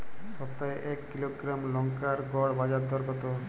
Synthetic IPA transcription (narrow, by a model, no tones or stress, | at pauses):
ʃɔpt̪aeʔɛkːiloɡɾamlɔŋkaɾɡɔɽbad͡ʑad̪ʱɔɾɡɔt̪o